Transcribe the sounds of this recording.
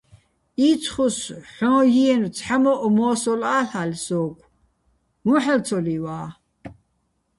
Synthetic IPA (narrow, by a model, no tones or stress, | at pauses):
iːt͡sʰχusħɔ̃ːjiɛnt͡sʰħamɔʔɔmɔːsɔlaːɬalsɔːkʷʰ | muħəlt͡sʰɔliwaː